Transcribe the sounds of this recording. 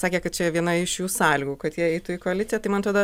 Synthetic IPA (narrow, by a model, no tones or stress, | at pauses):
sɑːkʲekɐt̪t͡ʃʲɛʋʲiɛnɐɪʃjuːsɑːlʲiːɡuːkɐt̪jiɛɛɪt̪uɪkoːɐlʲɪtt͡sʲɪjɛt̪ɐɪmɐnɐt̪ɾoːd̪o